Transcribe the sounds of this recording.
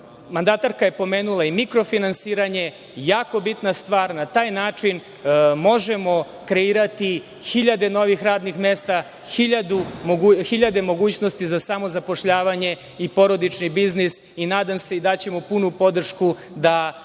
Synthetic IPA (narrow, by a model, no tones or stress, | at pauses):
mand̪at̪aɾkaje̞po̞meːnulˠaimikɾo̞finansiːɾaɲe̞ | jaːko̞bit̪nast̪ʋaːɾnat̪aːjnaːt͡ʂin | mo̞ʒemo̞ | kɾe̞iːɾat̪i | xiʎad̪e̞no̞ʋixɾaːd̪nixmeːst̪a | xiʎad̪uouxiʎad̪e̞mo̞ɡuːt͡ɕno̞st̪izasamo̞zapo̞ʃʎaːʋaɲe̞ | ipo̞ɾo̞d̪it͡ʃnibiznis | inaːd̪amse̞id̪at͡ɕe̞mo̞punupo̞d̪r̩ʃku | d̪a